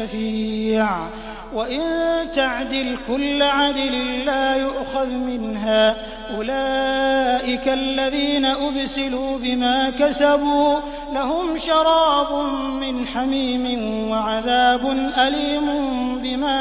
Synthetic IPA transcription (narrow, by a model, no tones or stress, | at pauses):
afiːʕ | waʔɪnt̪aʕd̪ɪlkʊlːʕad̪allaːjʊʔxaðmɪnɦaː | ʔʊlaːʔɪkaʔlːaðiːnaʔʊbsɪluːbɪmaːkasabuː | lahʊmʃɑɾˤɑːbʊmɪnħamiːmɪnwaʕaðaːbʊnʔaliːmʊbɪmaː